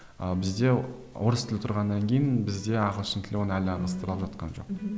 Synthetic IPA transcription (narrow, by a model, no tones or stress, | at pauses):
əbɪzd̪e̞wʔo̞ɾəst̪ʰɪlɪt̪ʰʊɾʁɑnːɑŋkʲʰejɪnbɪzd̪e̞ɑqəlˠʏsɪnt̪ʰlɪwonəælɪɑʁɑst̪əɾəlˠəpʒɑt̪qɑ̰nʒo̞̰q̚